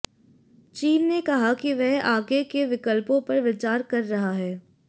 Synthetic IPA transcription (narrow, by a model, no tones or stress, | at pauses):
t͡ʃiːnːekɐɦakiʋɛɦaːɡekeʋɪkəlpõpɐɾʋɪt͡ʃaːɾkɐɾːɐɦaɦɛː